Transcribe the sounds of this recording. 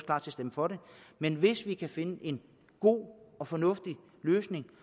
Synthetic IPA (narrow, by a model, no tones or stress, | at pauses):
klɑ̥̈t͡sʰesd̥eməfɒ̽ɾe̝menʋe̝sʋikʰæfe̝nəʔe̝n | ɡ̥o̝̰ːɒ̽fɒ̽nɔ̽fd̥i | løːsne̝ŋ